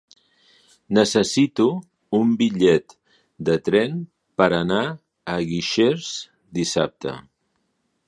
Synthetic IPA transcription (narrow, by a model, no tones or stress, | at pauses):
nəsəsit̪u | umbiʎɛt̪ | d̪ət̪ɾɛn | pəɾəna | əɣiʃeɾz̥ | d̪isap̚t̪ə̰